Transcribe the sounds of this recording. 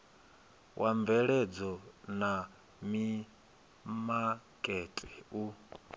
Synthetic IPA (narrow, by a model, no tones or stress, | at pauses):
wʔaɱbvɛɺɛd͡zɔna | mi | makʼɛtʼɛ̥u